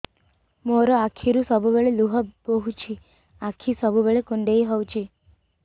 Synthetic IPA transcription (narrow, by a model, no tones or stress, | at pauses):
moɾɔakʰiɾusɔbʱubeɭeluɦɔbɔɦut͡ʃʰi | akʰːisɔbʱubeɭekuɳɖejɦɔwt͡ʃʰi